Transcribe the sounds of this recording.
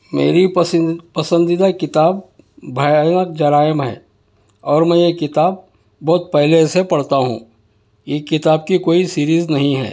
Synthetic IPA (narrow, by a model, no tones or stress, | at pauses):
mḛːɾipɐsə̃nd̪ɪd̪akɪt̪aːbːʱ | ɐjnək̚d͡ʒɐɾaːjəmɦɛ̰ː | ɔːɾmɛ̃ːjekɪt̪aːb̚ː | ɔːt̪̚pɛɦlesepɐɽt̪aɦṵ̃ː | jekɪt̪aːb̚kikoːisiːɾiːznɐɦĩɦɛ̰ː